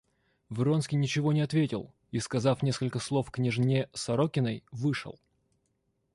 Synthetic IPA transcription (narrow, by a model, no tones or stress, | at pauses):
vɨɾo̞nskʲɪjnʲɪt͡ɕɪvo̞nʲɪɐt̪vʲetʲɪ̰lˠ | iskɐzafnʲe̞skəlʲkəslˠo̞fknʲɪʐnʲesɐɾokʲɪnəjvɨʂə̰lˠ